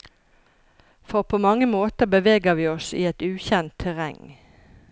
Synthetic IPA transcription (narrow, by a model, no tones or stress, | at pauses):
fɔʁpʰoːmɑŋːəmoːt̪əʁbəʋeːɡəʁʋiːɔsḭːɛt̪ʉːçɛnt̪ʰːɛʁɛ̰ŋ